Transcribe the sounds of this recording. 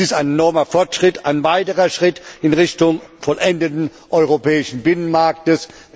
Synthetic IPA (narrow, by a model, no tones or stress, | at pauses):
ɪstaɪnenɔɐmɐfɔɐtʃʁ̥ɪtʰaɪnvaɪtəʁɐʃʁ̥ɪtɪnʁɪçtʊŋfɔlʔɛndətn̩ʔɔʏʁopʰɛːɪʃn̩bɪnənmaɐk̚təs